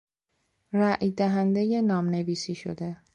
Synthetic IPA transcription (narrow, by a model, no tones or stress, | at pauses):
ɾæʔjd̪æɦænd̪eje̞nɒːmne̞viːsiːʃo̰d̪e̞